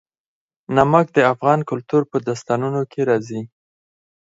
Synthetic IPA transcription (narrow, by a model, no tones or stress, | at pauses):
namak̚d̪əafɣɑnkʊlt̪uɾpəd̪ast̪ɑnunokʰeɾɑzi